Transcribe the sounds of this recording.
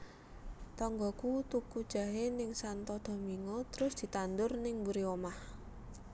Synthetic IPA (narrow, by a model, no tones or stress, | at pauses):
t̪ɔŋɡɔkut̪ukud̥ʒ̥a̤ɦenɪŋsant̪ɔd̪̥ɔ̤miŋɔt̪əɾʊsd̪̥i̤t̪and̪ʊrnɪŋmbuɾiomah